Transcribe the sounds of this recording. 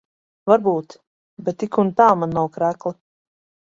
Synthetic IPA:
vaɾbuːt̪ | bɛt̪ːikunt̪aːmanːawkɾæklˠɨ

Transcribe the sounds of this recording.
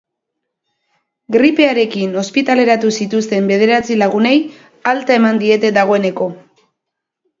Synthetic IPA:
ɡɾipe̞aɾe̞kino̞spit̪ale̞ɾat̪usit̪ust̪e̞mbe̞ð̞e̞ɾat͡silaɣune̞j | alt̪ae̞mand̪ie̞t̪e̞d̪aɣ̞o̞e̞ne̞ko̞

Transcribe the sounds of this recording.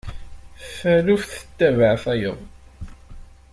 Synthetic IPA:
fælufθə̥t̪ːævəʕθæjə̰ðˤ

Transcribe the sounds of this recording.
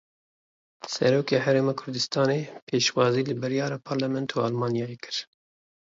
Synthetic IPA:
sɛɾoːkeːɦæɾeːmaːkʰʊɾd̪ɨst̪ɑːneːpʰeːʃwɑːziːlɨbɨɾjɑːɾɑːpʰɑːɾlamɛnt̪ʰuːalmɑːnijɑːjekɨɾ

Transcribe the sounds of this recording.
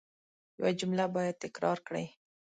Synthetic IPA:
jawad͡ʒʊmlabɑjad̪̚t̪ɪkɾɑɾkɽə̰j

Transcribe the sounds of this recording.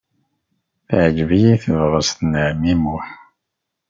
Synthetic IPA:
θʕd͡ʒvijiθəvʁəsθənəʕmimuħ

